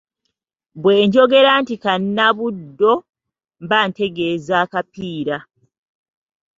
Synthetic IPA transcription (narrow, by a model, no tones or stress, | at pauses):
βwe̞ːɲɟo̞ɡe̞ɾantikanːaβudːo̞ | mbaːnte̞ɡe̞ːzaːkapiːɾa